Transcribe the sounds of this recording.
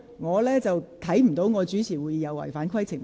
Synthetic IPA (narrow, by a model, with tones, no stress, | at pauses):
ŋɔː˨˧lɛː˥t͡sɐ˨wt̪ʰɐ˨˥jm̩˨˩t̪o˨˥wŋɔː˨˧t͡ʃyː˨˥t͡sʰiː˨˩wu˨˧jiː˧jɐ˨˧wɐ̰˨˩jfaː˨˥nkʰwɐ˥jt͡sʰɪ˨˩ŋ